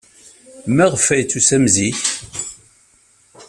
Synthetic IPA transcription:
mæʁəfæjt͡sːusæmziθ

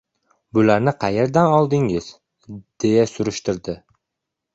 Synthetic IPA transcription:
bʊlaɾnɪqʰɑjeɾd̪anɒlˠd̪ɪŋɪz̥ | d̪̥e̞jasʊɾʊʃt̪ɪɾd̪ɪ

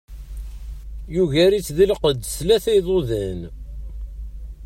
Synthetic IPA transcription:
juʝæɾit͡sːðilqəd̪slæθæjðˤoðæn

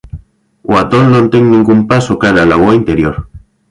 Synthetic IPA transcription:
wat̪onnont̪eŋnĩŋɡumpasokaɾalawoint̪eɾjoɾ

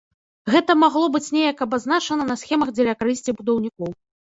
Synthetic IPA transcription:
ɣɛt̪ɐmaɣlˠɔbɨt͡sʲnʲejɐkɐbazn̪at͡ʂɐnɐnɐsxʲɛmɐɣd͡zʲɛlʲɐkaɾɨsʲt͡sʲibud̪ɐwnʲikɔw

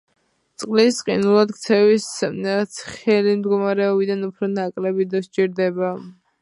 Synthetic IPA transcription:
t̪sʼqʼlisqʼḭnulˠad̪kt̪sʰɛvissʰχɛlimd̪ɡɔmaɾɛɔbid̪anupʰɾɔnakʼlɛbid̪ɔʃt͡ʃʼiɾd̪ɛba

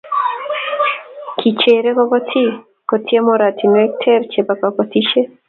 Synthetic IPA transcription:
kʰit͡ʃeɾekɔkɔtʰi | kɔtʰiemɔɾat̪ʰinɔɛk̚tʰɛɾt͡ʃebakakɔt̪iʃe

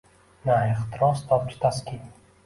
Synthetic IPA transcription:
naeχt̪ɪɾɒst̪ʰɒp̚t͡ʃʰɪ̥t̪ʰaskʲi

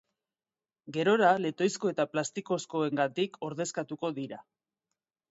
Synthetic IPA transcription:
ɡe̞ɾo̞ɾale̞t̪o̞jsko̞e̞t̪aplast̪iko̞sko̞e̞ŋɡat̪ikʰo̞ɾðe̞skat̪uko̞ðiɾa

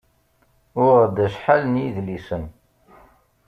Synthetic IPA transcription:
ʊʁd̪æʃħalənjiðlisən

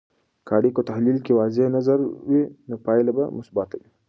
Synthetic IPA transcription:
kʰaːɽikot̪ahlilkewaːzenazaɾwinopaːjlabamʊsbaːt̪awi

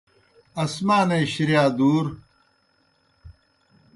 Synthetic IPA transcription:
ɐsmaːneːɕiɾijaːd̪uːɾ

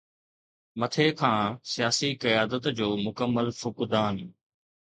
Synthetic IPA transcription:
mɐt̪ʰekʰãːsijaːsikɐjaːd̪ət̪d͡ʑoːmʊkəmːəlfʊkd̪aːn

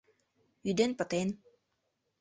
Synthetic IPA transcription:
yd̪enpət̪en

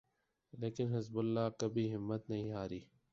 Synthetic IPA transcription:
leːkɪnɦɪzbʊlːaːkəbʱiːɦɪmːət̪nɐɦĩːɦaːɾiː

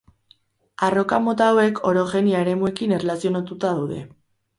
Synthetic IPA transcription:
aro̞kamo̞t̪awe̞kʰo̞ɾo̞xe̞niaeɾe̞mue̞kine̞relasio̞nat̪ut̪aðawðe̞̰

